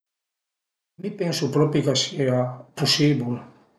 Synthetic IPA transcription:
mipensupɾɔpikaseapusiβul

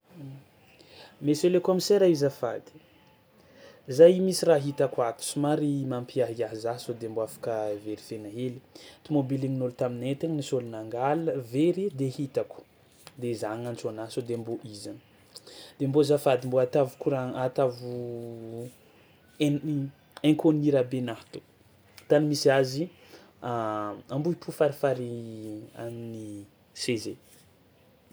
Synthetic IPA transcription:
meselekomiseɾaizafad̪i̥ | zajmisiraɦit̪akwat̪u̥sumaɾimampiaɦiaɦzaɦsod̪emboafḁkəveɾifenaɦelit̪imobiliŋinolut̪aminet̪eɲnisolunaŋɡaləveɾid̪ehit̪aku̥ | d̪ezaŋant͡sonasod̪emboʔizan | d̪embozafad̪imboat̪avu̥kuɾaat̪avu | eŋkʰoniɾabenaht̪u̥ | t̪animisiazi | aambuipufaɾifaɾia̰mini | seze

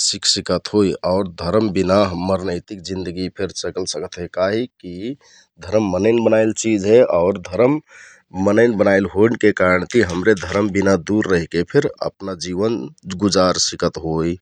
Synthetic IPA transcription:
siksikət̪ɦojʔɔʊɾd̪ʱəɾəmbinaɦməɾnəɪt̪ik̚d͡ʒĩnd̪əɡipʰeɾsəkəlsəkət̪ɦekaɦiki | d̪ʱəɾəmːənənbənaɪlt͡ʃid͡ʒɦɛaʊɾd̪ʱəɾəmː | ənəɪnbənaɪlɦonkekaɾəɳt̪ʰiɦəmɾed̪ʱəɾəmbinad̪uɾːəɦikepʰeɾə̰pnad͡ʒiʋənɡud͡ʒaɾsikət̪ɦoi

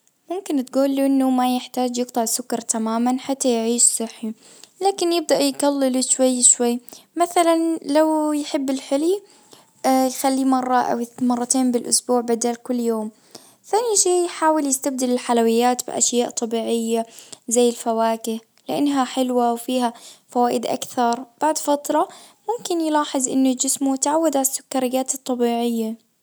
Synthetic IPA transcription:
mʊmkɪnt̪ɡuːlːuʔɪnːumajɪħt̪aːd͡ʒjɨɡ̚t̪ˤɑʕsʊkɑɾˤt̪ʰamaːmanħat̪ːajʕiːʃsˤɨħːi | laːkɪnjɪb̚d̪aʔjɡalːɪluʃwajːʃwajːmaθalanlawjħɪbːɪlħɪlj | jxalːimɑrˤːɑʔa̰wmɑrˤːɑt̪eːnbɪlʔʊsbuːʕbad̪aːlkʊlːjoːm | θaːniʃeːjħaːwɪljɪst̪ab̚d̪ɪlɪlħalawɪjːaːt̪bɪ̰ʔa̰ʃjaːʔt̪ˤɑbiːʕɪjːazajːɪlfawaːkɪh | lɪʔanːɦaħɪlwawfiːɦafawaːʔɪd̪ʔa̰kθɑɾˤb̥aʕd̪fɑt̪ˤɾˤɑ | mʊmkɪnjɪlɑːħɨzˤʔɪ̰nːʊd͡ʒɪsmut̪ʕawːad̪ʕasːʊ̥kːɑɾˤɪɡaːt̪ɨt̪ˤːɑbiːʕɪjːa

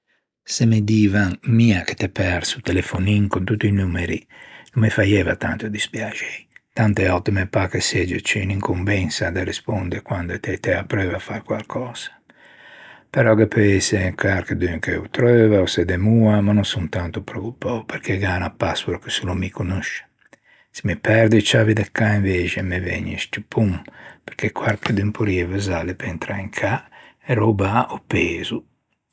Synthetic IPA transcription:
semed̪iːvanmiːake̥t̪ɛpɛɾsut̪elefoniŋkont̪ut̪ːinuːmeɾinumːefajɛvat̪a̰nt̪od̪ispjad͡ʒɛjt̪ant̪eɔt̪ːimepakesɛd͡ʒet͡ʃiniŋkumbɛnsad̪eɾespond̪eɾkwand̪oet̪ɛt̪ɛapːɾøːvafaɾkwalkʰɔːz̥ḁ | pɛɾɔɡepʰøesekaɾkəd̪yŋkeut̪ɾøːvaosɛd̪emuamanunsunt̪ant̪upɾokupːɔwpeɾkeɡaːnapːasuɾkəsulumikunuʃe̥ | simipɛɾd̪it͡ʃavid̪ɛkːaiɱveːt͡ʃemevɛ̰ɲeʃt̪upʰumpeɾkʰekwaɾkəd̪yŋpʰuɾiɛvəzalepɛnt̪ɾaiŋkʰaeɾobaopeːzu

